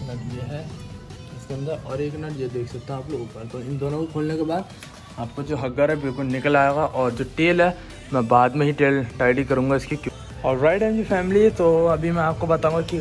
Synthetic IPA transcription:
nɐʈieɦɛ | ɪskeə̃nd̪əɾɔːɾeːknɐʈed̪eːkʰsɐk̚t̪aɦaːploːɡpɐt̪oɪnd̪oːnõkokʰoːlnekebaːd̪ | aːp̚kod͡ʒoːɦɐɡəɾɦɛbɪlkʊlnɪkəlaːjeːɡaʔɔːɾd͡ʒoːʈeːlɦɛ | mɛ̃baːd̪mẽɦiʈeːlʈaːɪɖikɐɾũːŋɡaɪskik | ɔːɾːaːɪʈɦɛ̃md͡ʒifɛːmɪlit̪oɐbʱimɛ̃aːp̚kobɐt̪aɦũŋɡaki

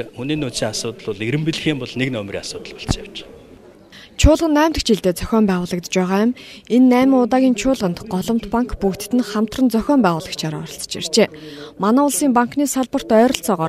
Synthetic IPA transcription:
xuniːnʊːt̪siːŋasʊːt̪ə̆ɮʊɮiɾɘ̆mpiɮ̆xiːmpɔɮneknœmrʲḭasʊːt̪əɮpɔ̥ɬsaw̥t͡ɕ | t͡ɕʰʊːɮʁə̆nːæːmʲt̪ə̆kt͡ɕiɮt̪eːt͡sœxʲɔːmpæːʁʊːɮə̆k̚t̪t͡ɕpæːʁaːjʊmenːæːmə̆ŋʊt̪aːɣʲiːnt͡ɕʰʊːɮʁə̆nt̪ɢɔɮɞ̆m̥t̪paŋkpukt̪̆t̪ːɘ̆nχam̥t̪rə̆nt͡sœxʲɔːmpæːʁʊːɮə̆kt͡ɕʰaɾɔɾɞ̆ɬt͡sə̥̆t͡ɕḛr̥t͡ɕeːmanaːʊɮsiːmpaŋkʰniːsaɮpə̆r̥t̪œːɾɞ̆ɬt͡sɔːʁɔː

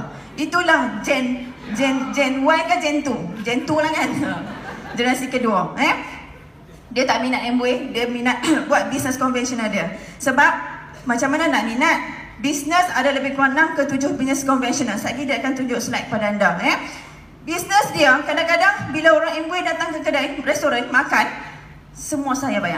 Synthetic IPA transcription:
ʔit̪ulahd͡ʒɛn | d͡ʒɛnd͡ʒɛnwajkad͡ʒɛnt̪ud͡ʒɛnt̪ulahkanəd͡ʒənasikəduaɛ | diət̪aʔminat̪ɛmbuediəminat̪̚buat̪̚bisnəskɔnvɛnsiɔnadasəbap̚ | mat͡ʃamːanãnaʔmĩnat̪̚ | bisnə̃sadaləbɪhkuanaŋkət̪ud͡ʒʊhbisnə̃skɔnvɛnsɔnalsaʔɡidiəakant̪ud͡ʒʊʔslaj̚kəpadaːndaɛ | bisnəsdiəkadakadaŋbilaoɾaŋɛmbuidat̪aŋkəkadarɛst̪oɾanmakan | səmũasajabaja̰ʔ

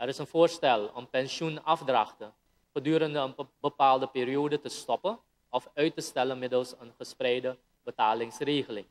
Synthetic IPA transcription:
ɛɾɪsənvʊːɹstɛlˠɔ̰mpɛnʃunɑfdrɑχtə | χədyːɾəndəənbəpaːlˠdəpɪːrioːdətəstɔpən | ɔfœɥtəstɛlənmɪdəlˠsənχəsprɛjdə | bətaːlɪŋsreːχəlɪŋ

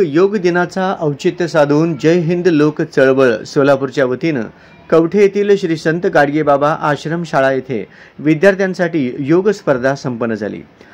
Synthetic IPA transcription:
joɡd̪inat͡saʔəwt͡ɕit̪ːjəsad̪ʱuːnd͡ʑəjɦind̪lokt͡səɭʋəɭsolapuɾt͡ɕjaʋət̪in | kəʋʈʰeet̪iːlɕɾiːsənt̪ɡaɽɡebabaʔaɕɾəmɕaɭajet̪ʰḛ | ʋid̪jaɾt̪ʰjãnsaʈiːjoɡspəɾd̪ʱasəmpənːəd͡zʱa̰lḭː

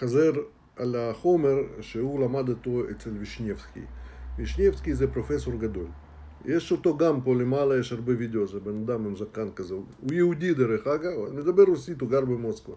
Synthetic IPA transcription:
χazeɾ | alʲaχomeɾʃeulamad̪ot̪oet͡selviʃnʲefskʲḭvʲiʃnʲefskʲizɛpɾofeso̞rɡad̪o̞l | jeʃot̪o̞ɡampolemalɐjeʃharbevʲid̪ʲeozebenad̪amemzakankazeujeud̪ʲid̪eɾeχaɡɐned̪ɐbeɾosit̪uɡaɾbemoskva

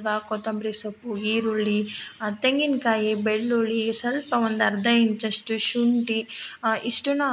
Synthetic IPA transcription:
ʋakot̪ɐmbɾisɐpːuiːɾuɭːit̪eŋɡinkaːjibeɭːuɭisɐlpɐʋond̪ɐɾd̪ʱɐjint͡ʃɐʂʈuʃuɳʈiiʂʈunɐ

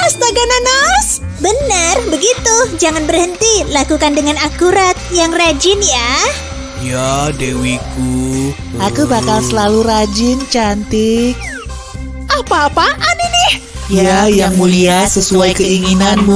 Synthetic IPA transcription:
ast̪aɡananas | bənərbəɡit̪ud͡ʒaŋanbərhənt̪ilakukandəŋanakuɾat̪̚jaŋrad͡ʒɪnja | jadewiku | ʔakubakalsəlaluɾad͡ʒɪnt͡ʃant̪ɪk̚ | ʔapaːpaʔaninɪh | jajaŋmuliasəsuajkəiŋinanmu

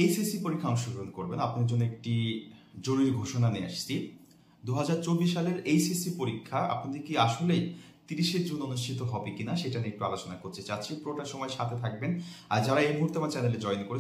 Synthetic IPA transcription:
ejsisipoɾikʰːaɔŋʃoɡʱoɾonkoɾbenapnaeɾd͡ʑonːoek̚ʈid͡ʑoɾuɾiɾɡʱoʃonania̰ʃt͡ɕʰi | d̪uɦad͡ʑaɾt͡ɕobːiʃːaleɾejsisipoɾikʰːaa̰pnad̪iɾkiaʃolejt̪iɾiʃeɾd͡ʑunonuʃʈʰit̪oɦɔbekinaʃeʈaniek̚ʈua̰lot͡ɕonakoɾt̪et͡ɕatːɕʰipɾoʈaʃɔmɔeʃat̪ʰet̪ʰak̚benaɾd͡ʑaɾaejmuɦuɾt̪eamaɾt͡ɕɛneled͡ʑɔenkoɾe

